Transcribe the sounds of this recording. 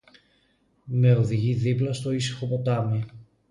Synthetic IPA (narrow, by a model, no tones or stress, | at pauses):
me̞oðiʝiðiplɐst̪o̞isi̥xo̞po̞t̪ɐmi